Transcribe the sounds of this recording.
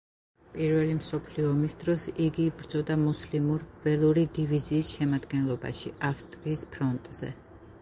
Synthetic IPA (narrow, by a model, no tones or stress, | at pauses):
pʼiɾvɛlimsɔpʰliɔːmisd̪̥ɾɔsiɡiːbɾd̪zɔd̪amuslimuɾvɛlˠuɾid̪iviziːsʃɛmad̪ɡɛnlˠɔba̰ʃiafst̪ʼɾiːspʰɾɔnt̪ʼz̥ɛ̰